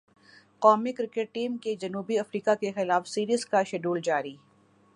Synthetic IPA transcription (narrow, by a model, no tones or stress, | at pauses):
kɔːmikɾɪkɪʈ̚ʈiːmked͡ʒɐnuːbiɐfɾiːkakexɪlaːfsiːɾiːzkaʃɛɖuːld͡ʒaːɾiː